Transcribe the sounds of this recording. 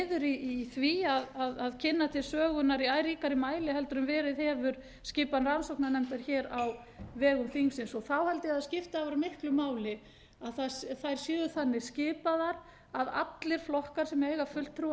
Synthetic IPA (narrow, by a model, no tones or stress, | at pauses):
ðʏɾiθviaðaðaðcʰɪnːat̪ʰɪ̥sœːɣʏnaɾiajɾiːkaɾɪmaːjlɪɦɛlt̪ɾʏmvɛːɾɪðhɛːvʏɾ | scɪːpanransowknanɛmt̪aɾ̥çɛːɾaw | vɛːɣʏmθiŋsɪnsɔθawhɛlt̪ɪaðscɪft̪aavaɾamɪhklʏmaːwlɪ | aðθaθajɾ̥sjʏːðʏθanːɪɾ̥scɪːpaðaɾ | ava̰t̪lɪɾ̥flɔhkḁsɛmeːjɣafʏl̥t̪ʰːɾu